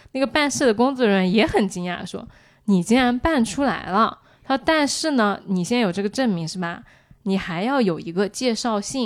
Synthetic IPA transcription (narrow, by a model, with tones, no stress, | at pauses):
na˥˩ɡə˩pa˥˧nʂ̩˥˩d̪ə˩kʊ˥ŋt͡swɔ˥˩ɻə˧˥njɛ˧˥xə˨˩nt͡ɕi˥ŋja̰˥˧˩ʂwɔ̰˥ | ni˨˩t͡ɕɛ˥nɻa˧˥npa˥˩nʈ͡ʂʰu˥la̰˧˥ɪlə˧ | a˥˧t̪a˥˧nʂɻ̩˥˩nə˩ni˨˩ɕjɛ˥njo˨˩ʊʈ͡ʂɤ˥˩ɡə˩ʈ͡ʂə˥˩nmi˧˥ŋʂɻ̩˥˩bɐ˩ | ni˨˩xa˧˥ɪjɑ˥˩ʊjo˨˩ʊi˧˥ɡə˧t͡ɕjɛ˥˧ʂɑ˥˧ʊɕi˥˩ŋ